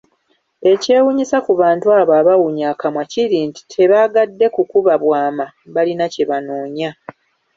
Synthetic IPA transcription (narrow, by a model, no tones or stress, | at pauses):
e̞ce̞ːwuɲisakuβaːntuaːβaːβawuɲaːkamwaciɾiːnti̥tʰe̞βaɡadːe̞kukuβaβwaːma | βalinace̞βanoːɲa